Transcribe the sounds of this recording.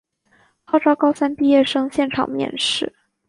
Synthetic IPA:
xɑ˥˩ʊʈ͡ʂɑ˥ʊkɑ˥ʊsa˥npi˥˧jɛ˥˩ʂɤ˥ŋɕjɛ˥˩nʈ͡ʂʰɑ̰˨˩ŋmjɛ̰˥˧nʂɻ̩˥˩

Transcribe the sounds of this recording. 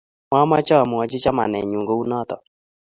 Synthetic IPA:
ma˦ma˦t͡ʃɔ˦˨mʊ˨ɔ˨t͡ʃɪ˦t͡ʃɔ˦ma̰˨nɛ̰˨ɲu˨ŋɡo˦u˦nɔ˦t̪ɔ˨

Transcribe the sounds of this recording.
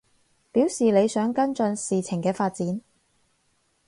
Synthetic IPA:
piː˨˥wsiː˨le˨˧jsœː˨˥ŋkɐ˥nt͡sɵ˧nsiː˨t͡sʰɪ˨˩ŋkɛː˧faː˧t̚t͡siː˨˥n

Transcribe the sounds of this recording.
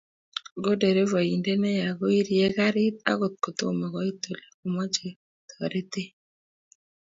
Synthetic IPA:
ɡo˦de˨ɾe˦vɔ˨i˨nde˦nɛ˦ja˨ɣo˦i˦ɾi˨e˦ɣa˦ɾɪ˦t̪̚a̰˦ɣo˨t̪̚ko˨t̪o˦˨mɛ˨ɣɔ˨˦i˦to˨le˨u˨mɔ˦d͡ʒe˨ | t̪ɔ˨ɾe˦t̪e˦

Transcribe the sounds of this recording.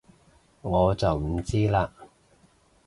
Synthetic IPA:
ŋɔː˨˧t͡sɐ˨wm̩˨˩t͡siː˥laː˧

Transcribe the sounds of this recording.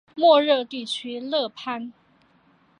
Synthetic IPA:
mwɔ˥˧ɻɤ˥˧t̪i˥˩t͡ɕʰy˥lɤ˥˩pʰa˥n

